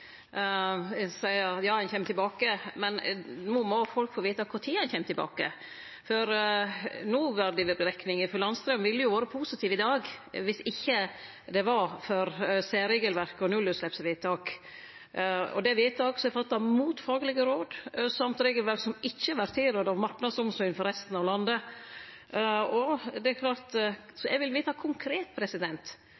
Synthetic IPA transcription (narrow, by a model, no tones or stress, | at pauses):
sæɪəɑt̪jɑːænçɛmːt̪ɪlbɑːkəmɛnmumɔfɔlkfoːʋiːt̪ɑkʰʊɾt̪ʰiːæɪnçɛmt̪ɪlbɑ̰ːkə̰ | fɔɾ | nuːʋæɾɖ̪ɪʋəɾəɾɛknɪŋəfɔɾlɑnst̪ɾœmʋɪlːəjʊʋoːɾəpʰuːsɪt̪ʰiːʋɪd̪ɑːɡʋɪsɪçːə | d̪ɛʋɑfœɾseːɾeːɡəlʋæɾkɔnʉlːʉːlɛpsʋiːt̪ɑːk | ɔ̰d̪ɛʋiːt̪ʰɑːksɔɛfɑt̪ːɑmuːt̪fɑːɡəlɪɡəɾoːd̪sɑmt̪ɾeːɡəlʋɛlsɔmɪçːəʋæɾt̪ʰiːɾøːd̪ɑʋmɑɾʈnɑd̪sʊmsɔʏnfɔɾɛst̪n̩ɑʋlɑnd̪ə | ɔd̪ɛækʰlɑːɾt̪sɔʔɛɡʋɪlʋiːt̪ɑkʰʊŋkʰɾeːt̪̚pʰɾɛsɪd̪ɛnt̪